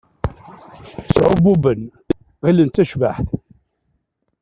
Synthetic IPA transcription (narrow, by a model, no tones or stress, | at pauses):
sʕʊbubən | ʁilənt̪ːæʃvaħθ